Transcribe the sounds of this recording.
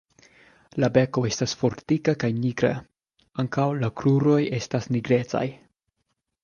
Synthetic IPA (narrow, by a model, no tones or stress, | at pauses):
labe̞ko̞e̞stasfo̞ɾtikakajniɡɾa̰ | aŋkawlakɾuɾo̞je̞stasniɡɾe̞t͡sa̰j